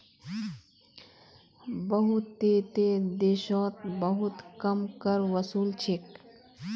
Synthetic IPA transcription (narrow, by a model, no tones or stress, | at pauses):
bəɦut̪ːeːt̪ed̪eːʃɔ̃ːt̪̚bəɦut̪kɐmkəɾʋəsuːlt͡ʃʰik